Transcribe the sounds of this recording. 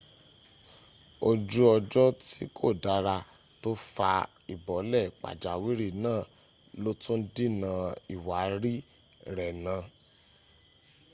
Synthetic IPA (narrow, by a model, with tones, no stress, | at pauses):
o˧d͡ʒu˦ɔ˧d͡ʒɔ˦ti˦kʰo˦˨da˨˧˦ɾa˧ | to˦fa˧ | i˨bɔ˨˦lɛ˦˨k͡pa̰˨d͡ʒa˨wi˦ɾi˦˨nãː˦˨ | lo˦tũ˦di˦˨nã˧i˨wa˨˦ɾi˦ | ɾɛ˨nã˧